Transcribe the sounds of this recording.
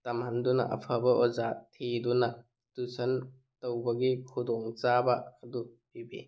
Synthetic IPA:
tɐmhandunɐ̰ʔɐ̰pʰabɐʔɔzatʰːidunɐ | tusʰɐn | tɐwbɐɡikʰudɔŋt͡ʃabɐːdubibḭ

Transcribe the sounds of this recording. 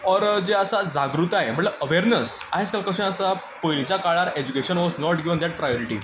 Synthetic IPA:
ɔɾd͡zeəsad͡zaɡɾut̪aɦem̤əʈləəʋeɾnəsaɦeskalkəɕẽəsa | pojlit͡ɕakaɭaɾed͡ʑukeɕənʋɔznɔʈɡiʋənd̪ɛʈ̚pɾajɔɾiʈḭ

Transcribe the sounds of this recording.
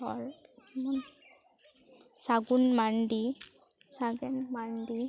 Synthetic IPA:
ɔɹsman | saɡunmandi | saɡɛnmandi

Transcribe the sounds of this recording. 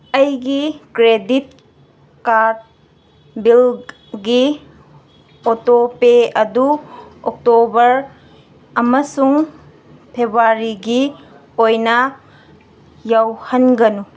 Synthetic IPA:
ɐjɡikɾedit̚ | kaɾd̚ | bil | ɡi | otopeɐduok̚tobɐɾ | ɐmɐsuŋ | pʰebaɾiɡi | ojnɐ | jawhɐnɡɐnu

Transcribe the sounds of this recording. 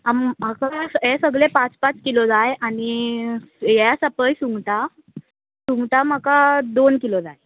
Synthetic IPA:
amm̤əkasɦesəɡɭepat͡spat͡skilɔd͡zajañi | jasəpəjsuŋɡʈa | suŋɡʈam̤əkad̪onkilɔd͡zaj

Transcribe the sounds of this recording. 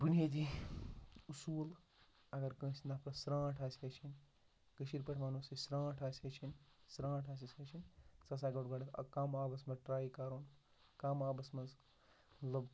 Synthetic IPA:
bunet̪̬i | usuːl | ɐɡɐɾkə̃ːsinaːpɾɐsɾãːʈʰaːsʲɐːt͡ʃʰinʲ | kɐʃiɾpɐʈʰmaːnoːsisɾãːʈʰaːsʲɐt͡ʃʰinsɾãːʈʰaːs̬isɐːt͡ʃʰinsɐs̬aːɡɐʈɡɐɽikaːmaːbɐsmɐʈɾaːikaːɾoːn | kaːmaːbɐsmɐz | lɐb

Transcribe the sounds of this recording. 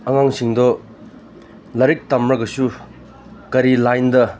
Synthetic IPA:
ɐŋaŋsiŋdɔ | lɐɾik̚tamɾɐɡɐsu | kɐɾilajndɐ

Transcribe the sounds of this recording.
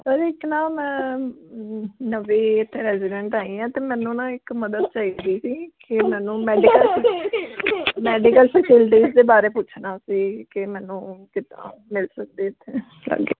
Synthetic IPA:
kad͡ʒiːɪknãːmɛ̃ː | nəʋiːɪt̪ʰːeːɾɛːzɪɖɛ̃ɳʈaːĩːɛ̃ːt̪eːmɛ̃ːnũːnãːɪkməd̪əd̪̚t͡ʃaːid̪iːsiːkɪmɛːnũːmɛːɖikəl | mɛːɖɪkəlsəkʰɪlʈiːzd̪eːbaːɾeːpʊt͡ʃʰnaːsiːkɪmɛːnũːkɪt̪ã̰ːmɪlsək̚d̪eːɪt̪ʰːeː | lə̰ɡḛː

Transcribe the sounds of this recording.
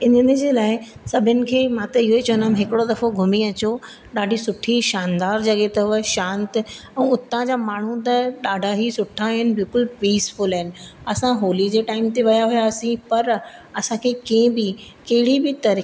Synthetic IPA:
ɪnənə̆d͡ʑeːlaːɪsɐbʱɪnɪ̆kʰeːmãt̪ɐɪɦoit͡ɕɐ̃ːnd̪aɦmɦɪkɪɽod̪ɐfoɡʱʊmiɐt͡ɕo | ɗaːɖʱisʊʈʰiʃaːnd̪aːɾd͡ʑɐɠet̪ɐʊʋəʃãːnt̪ɛ̃ːʊt̪ãd͡ʑaːmaːɳ̤ũt̪̬ɐɗaːɖʱaɦisʊʈʰaɦɪnɪ̆bɪlkʊlpiːsfʊlɐɦɪnɪ̆ɐsãɦoːlid͡ʑeːʈaːɪmt̪eʋɐjaɦujaɐsĩpɐɾɐsãkʰeːkẽːbi | kɐɦɪɽibɪt̪ɐɾi

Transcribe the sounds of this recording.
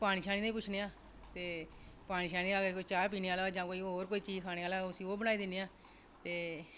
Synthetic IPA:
paːɽ̃iːʃaːɽ̃iːd̪ãiːpʊt͡ʃʰneːaː | t̪eː | paːɽ̃ĩːʃaːniːd̪aəɡəɾkoːiːt͡ʃaːpiːneaːlad͡ʒãːkoːiːoːɾkoːiːt͡ʃiːd͡ʒkʰaːɽ̃eːaːlaːʊsĩːoːbəñaːiːd̪ɪneːaː | t̪eː

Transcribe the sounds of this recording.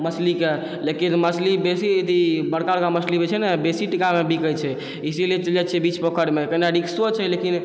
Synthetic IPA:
məslike | lekinməslibesid̪ʱibəɽkaɾkaməslibet͡ʃʰɛnɛbesiʈikamebikət͡ʃʰɛ | isilet͡ʃəlɛt̪t͡ʃʰɛbit͡ʃpɔkʰəɽmekəinaɾiksot͡ʃʰɛlekin

